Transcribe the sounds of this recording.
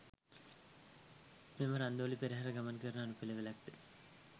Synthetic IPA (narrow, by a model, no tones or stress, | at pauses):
meməɾand̪əɐlipeɾeɦaɾəɡamankəɾnəːnupeleʋelak̚t̪e